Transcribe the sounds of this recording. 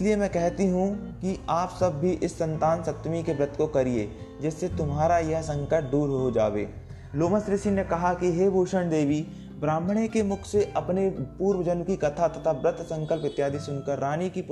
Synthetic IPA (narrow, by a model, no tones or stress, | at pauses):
ɪsliemɛ̃ːkɛɦt̪iɦũkiaːpsɐbːʱiʔɪsːə̃nt̪aːnsɐt̪ːmikebɾɪt̪ʰkokɐɾieː | d͡ʒɪsːet̪ʊmɦaːɾajɐɦsɐ̃ŋkəɾʈ̚d̪uːɾɦod͡ʒa̰ːʋḛː | loːməsɾɪsinekɐɦakiɦeːbʱoːʃəɳd̪eːʋi | bɾãːmɽ̃ekemʊkʰseʔɐpnepuːɾwəd͡ʒənkikɐt̪ʰat̪ɐt̪ʰabɾɪt̪ʰsə̃ŋkəlpɪt̪jaːd̪isʊnkəɾːaːnikip